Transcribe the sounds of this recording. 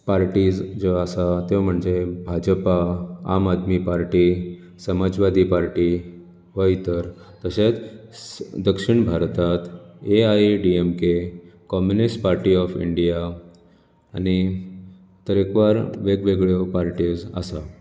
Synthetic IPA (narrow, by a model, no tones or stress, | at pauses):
paɾʈid͡zd͡zɔasat̪eam̤əɳd͡zebʱad͡ʑpaa̰mad̪mipaɾʈi | səmad͡zʋad̪ʱipaɾʈi | ʋəjt̪əɾ | t̪əɕet͡s | d̪əkʂiɳbʱaɾt̪at̪eajɖiemkekɔmjunisʈpaɾʈiɔfḭɳɖija | a̰ñi | t̪əɾekʋaɾʋeɡʋeɡɭjopaɾʈiːd͡za̰sa̰